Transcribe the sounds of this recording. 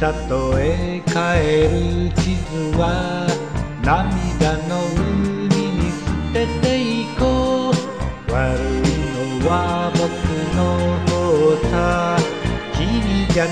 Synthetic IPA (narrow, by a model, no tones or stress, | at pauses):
tat̪oe | kaeɾɯt͡ɕizɨwa | namid̪anoɯɲinisɯt̪et̪eiko | waɾɯinowabokɯnot̪ot̪a | kiɲid͡ʑa